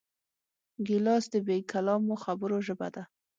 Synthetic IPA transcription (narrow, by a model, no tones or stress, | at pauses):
ɡɪlɑsd̪əbekalɑmoxabəɾoʒəba̰d̪a